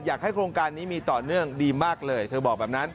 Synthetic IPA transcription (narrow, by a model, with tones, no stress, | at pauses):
jaː˨˩k̚ha˥˩jkʰɾoː˧ŋkaː˧nːiː˦˥miː˧t̪ɔː˨˩nɯ˥˩əŋdiː˧maː˥˩k̚lɤː˧jt̪ʰɤː˧bɔː˨˩k̚bɛː˨˩p̚na˦˥n